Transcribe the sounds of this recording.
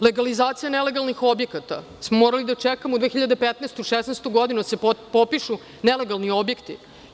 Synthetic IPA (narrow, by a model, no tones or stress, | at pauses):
le̞ɡalizaːt̪sijanele̞ɡalnixo̞bjekat̪a̰ | smomoːɾalid̪at͡ʃekamoud̪veːxçiʎad̪epet̪neːst̪uiʃesneːst̪uɡod̪inud̪asepopiʃu | nele̞ɡalˠnio̞bje̞kt̪ḭ